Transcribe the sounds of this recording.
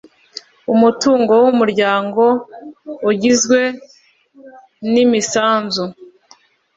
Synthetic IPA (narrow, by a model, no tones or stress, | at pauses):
umutuːŋɡo̞wumuɾɟaːŋɡo̞ | uɟizɡwe̞ | nimisaːnzu